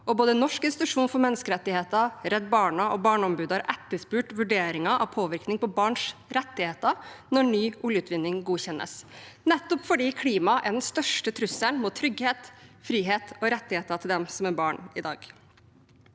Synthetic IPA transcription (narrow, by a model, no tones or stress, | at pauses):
ʔɔboːd̪ənɔʂkɪnsɪt̪ʉʂuːnfɔɾmɛnːəskəɾɛt̪ːɪheːt̪ɑɾɛd̪̚bɑːɳɑɔbɑːɳɔmbʉːd̪ɑɾʔɛt̪ːəʂpʉːʈʋʉɖeːɾɪŋɑʔɑ̰ʋpʰoːʋɪɾknɪŋpʰɔbɑːɳʂɾɛt̪ːɪheːt̪ɑnɔɳyːʔʊljʉːt̪ʋɪnːɪŋɡuːçɛnʔə̰snɛt̪ːɔpfɔɖiːkʰliːmɑʔæɖɛnst̪œʂʈət̪ʰɾʉsːənmɔt̪ʰɾʏɡheːt̪fɾiːɦeːt̪ɔɾɛt̪ːɪheːt̪ɑt̪ʰɪld̪ɛmsɔmæɾbɑːɳɪd̪ɑ̰ːɡ̥